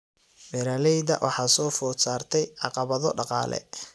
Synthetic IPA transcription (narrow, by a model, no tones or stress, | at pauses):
mɛɾalɛjðɐ̰ʔwʔɑ̰ħɑːsɔːfɔːsaːrt̪ʰɛjʕɑqɑβɐðɔɖɑqɑ̰ːlɛ̰